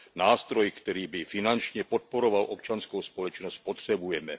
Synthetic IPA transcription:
naːst̪ɾojkt̪ɛɾiːbɪfɪnant͡ʃɲɛpot̪̚poɾovalʔopt͡ʃanskowspolɛt͡ʃnosc̚pot̪r̝̥ɛbujɛmɛ

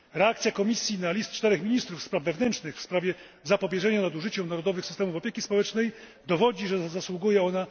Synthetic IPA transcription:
ɾɛakt̪sʲjakɔmʲisʲjinalʲist̪̚t͡ʂt̪ɛɾɛxmʲiɲist̪ɾufːspɾavːɛvnɛntt͡ʂʂnɘxfspɾavʲjɛ | zapɔbʲjɛʐɛɲanad̪uʐɘt͡ɕɛmnaɾɔd̪ɔvɘxsɘ̥st̪ɛmufɔpʲjekʲispɔwɛt͡ʂnɛjd̪ɔvɔd͡ʑiʐɛzaswuɡujɛɔna

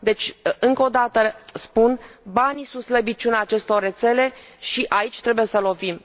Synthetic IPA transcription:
d̪e̞t͡ʃʲɨŋko̞d̪at̪əspunbanisunt̪sləbit͡ʃʲunaːt͡ʃe̞st̪o̞rːe̞t̪se̞le̞ | ʃiʔait͡ʃʲt̪ɾe̞buje̞səlo̞vim

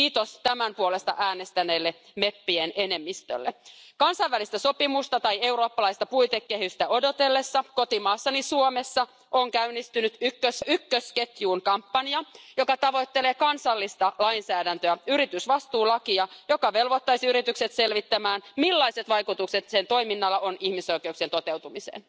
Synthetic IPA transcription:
kiːt̪ost̪æmæmpuole̞st̪ɑ̰ʔæːnest̪æneːlːe | me̞pːienene̞mːist̪ø̰lːḛkɑnsɑjʋælist̪æso̞pimust̪ɑt̪ɑje̞uɾo̞ːpːɑlɑjst̪ɑpuit̪ekːehyst̪æo̞do̞t̪e̞lːe̞sːɑko̞t̪imɑːsːɑnisuome̞sːɑ | ʔoŋkæynːist̪ynyt̪ykːøsykːøske̞t̪juːnkɑmpːɑniɑjo̞kɑt̪ɑʋo̞jt̪ːeleːkɑnsɑlːist̪ɑlɑinsæːdænt̪øæyɾit̪ysʋɑst̪uːlɑkiɑjo̞kɑʋe̞lʋot̪ːɑjsiyɾit̪ykset̪se̞lʋit̪ːæmæːnmilːɑjse̞t̪ʋɑjkut̪ukse̞t̪se̞nt̪o̞jminːɑlːɑʔo̞nihmiso̞ik̟euksient̪o̞t̪e̞wt̪umisḛːn

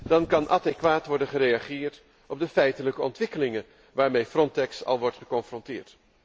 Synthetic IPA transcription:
d̥ɑnkɑnʔɑ̰dɛkʋaːtʋɔɹdənχəɾejɑχɪːɹt | ɔb̚dəfɛjtələkəɔntʋɪkəlɪŋən | ʋaːɹmejfrɔntɛksɑ̰lˠʋɔɹtχəkɔnfrɔntɪ̰ːɹt

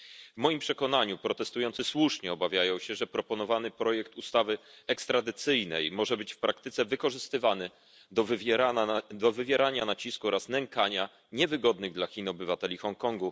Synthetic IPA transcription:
vmɔjimpʂɛkɔnaɲupɾɔt̪ɛst̪ujɔnt̪sɘswuʂɲɛɔbavʲjajɔ̃w̃ɕɛʐɛpɾɔpɔnɔvanɘpɾɔjɛkt̪ust̪avɘɛkst̪ɾad̪ɘt̪sɘjnɛ̰jmɔʐɛbɘt͡ɕfpɾak̚t̪ɘt̪sɛvɘkɔʐɘst̪ɘvanɘ | ad̪ɔvɘvʲjɛɾaɲanat͡ɕiskuɔɾasnɛŋkaɲa | ɲɛvɘɡɔd̪nɘɣd̪laxʲinɔbɘvat̪ɛlʲixɔŋkɔŋɡu

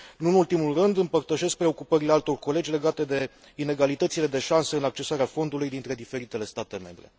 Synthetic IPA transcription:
nunult̪imulrɨnd̪ɨmpərt̪əʃe̞sk̚pɾe̞o̞kupəɾile̞alt̪o̞rko̞le̞d͡ʒʲle̞ɡat̪e̞d̪e̞ | ine̞ɡalit̪ət̪sile̞d̪e̞ʃansəɨnak̚t͡ʃe̞saɾeafo̞nd̪ulujd̪int̪ɾe̞d̪ife̞ɾit̪e̞le̞st̪at̪e̞me̞̰mbɾe̞̰

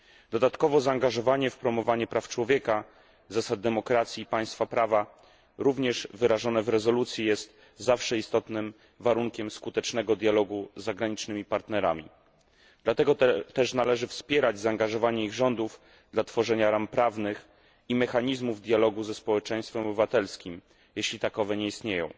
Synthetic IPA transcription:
d̪̥ɔd̪at̪kɔvɔzaːŋɡaʐɔvaɲɛfpɾɔmɔvaɲɛpɾaft͡ʂwɔvʲjɛka | zasad̪̚d̪ɛmɔkɾat̪sʲiːpaj̃st̪fapɾava | ɾuvɲɛʐvɘɾaʐɔnɛvɾɛzɔlut̪sʲjijɛst̪ | zafʂɛist̪ɔt̪nɘm | vaɾuŋkʲɛmskut̪ɛt͡ʂnɛɡɔd̪ʲjalɔɡuzːaɡɾaɲit͡ʂnɘmʲipaɾt̪nɛɾa̰mʲḭ | d̪lat̪ɛɡɔt̪ɛʂnalɛʐɘfspʲjɛɾad͡ʑzaːŋɡaʐɔvaɲɛiɣʐɔnd̪uv | d̪lat̪fɔʐɛɲaɾampɾavnɘx | imɛxaɲizmuvd̪ʲjalɔɡuzɛspɔwɛt͡ʂɛ̃j̃st̪fɛmɔbɘvat̪ɛlskʲim | jɛɕlʲit̪akɔvɛɲɛist̪ɲejɔ̰̃w̃

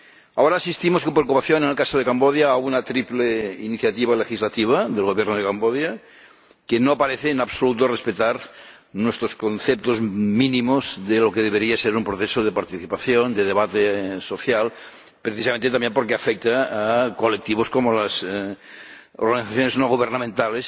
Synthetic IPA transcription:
aoɾasist̪imoskeomp̬ɾeokupaθjonenelkasoð̞ekamboðjaunat̪ɾipleiniθjat̪iβ̞alexizlat̪iβ̞aðelɣoβjeɾnoð̞ekamboðja | kenopaɾeθeːnaβsolut̪orespet̪aɾ | nwest̪ɾoskonθep̚t̪ozminĩmozðelokeðeβeɾiaseɾumpɾoθesoðepaɾt̪iθipaθjond̪eðeβat̪esoθjal | pɾeθisamẽnt̪et̪ambjempoɾkeafek̚t̪aːkolek̚t̪iβ̞oskomolas | oɾɣaniθaθjoneznoɣuβ̞eɾnamẽnt̪ales

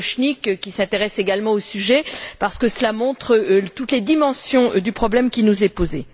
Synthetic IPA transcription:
ʃnikkʲisɛ̃t̪eʁɛseɡalmɑ̃osyʒɛpaʁsə̥kəsəlamɔ̃t̪χət̪ut̪led̪imɑ̃sjɔ̃d̪ypχɔblɛmkʲinuzɛpoze

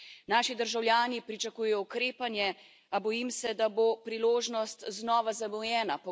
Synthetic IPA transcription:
naːʃid̪əɾʒawljaːnipɾit͡ʃakuːjɛjɔukɾeːpanjɛ | abɔjimsɛd̪abopɾiloːʒnɔst̪znɔːʋazabɔjɛːnapɔ

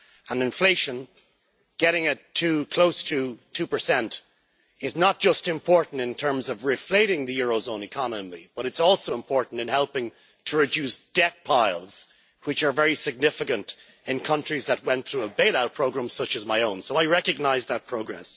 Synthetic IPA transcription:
ə̃nɨ̃ɱfleɪʃə̃n | ɡ̥ɛɾɪ̃ŋɪtʰʉkʰl̥oʊstʰɨtʰʉpə˞sɛ̃nt | ɪznət̚d̥ʒ̥ʌstɨ̃mpʰɔɹʔn̩tɨ̃ntʰɜ̃˞mzʌvɹɪfleɪɾɪ̃ŋðɨjʊɹoʊzõʊ̃nɨkʰɑnəmḭb̥ʌɾɨtsɔlˠsoʊə̃mpʰɔɹʔn̩tɨ̃nhɛlˠpɪ̃ŋ | tʰəɹɨdʉsd̥ɛk̚pʰaɪlˠz̥ | wɨt͡ʃə˞vɛɹisɨɡ̚nɪfɨkɨ̃nt | ɪ̃nkʰʌ̃nt͡ʃɹ̥izðət̚wɛ̃nθɹuəbeɪlaʊt̚pʰɹ̥oʊɡɹãmsʌt͡ʃɨzmaɪõʊ̃nsoʊaɪɹɛkɨɡ̚naɪzðət̚pʰɹ̥oʊɡɹɛ̰s

